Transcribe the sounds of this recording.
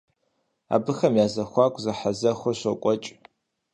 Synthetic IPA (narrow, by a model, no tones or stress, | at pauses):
a̰ːbɨxɐmjaːzɐxʷaːkʷʼzɐħazɐxʷɔɕʷɐkʷʼɔt͡ʃʼ